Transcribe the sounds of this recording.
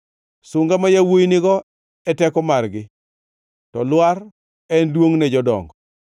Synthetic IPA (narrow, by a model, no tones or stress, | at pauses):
sʊŋɡamajawojinɪɡɔ | ɛtɛkɔmarɡɪ | tɔlwaɾ | ɛndwoŋnɛd͡ʒɔdɔ̰ŋɡɔ